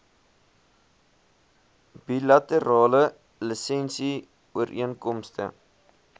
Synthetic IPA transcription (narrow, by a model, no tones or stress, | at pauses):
bilɐtəɾɑːlə | ləsɛnsi | uəɾʔiənkɔmstə̰